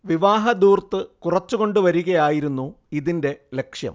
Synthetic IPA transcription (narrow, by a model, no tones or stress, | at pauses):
ʋiʋaːɦɐd̪uːrt̪ɨkurɐt͡ɕːuɣo̞ɳɖɨʋɐɾuɣɐjaːjiɾunːu | iðinde̞le̞kʂjɐ̰m